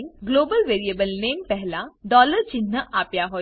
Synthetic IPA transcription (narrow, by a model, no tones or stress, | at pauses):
nɡloːbəlʋeːɾieːbəlneːmpɛɦlãɖɔːləɾt͡ʃinːəʔaːpjaɦoː